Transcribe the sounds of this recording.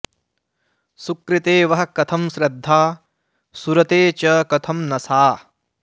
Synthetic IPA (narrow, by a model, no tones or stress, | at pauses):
sukɾit̪eːʋɐɦɐ̆kɐt̪ʰɐmʃɾɐd̪ʱːaː | suɾɐt̪eːt͡ʃɐkɐt̪ʰɐmnɐsaː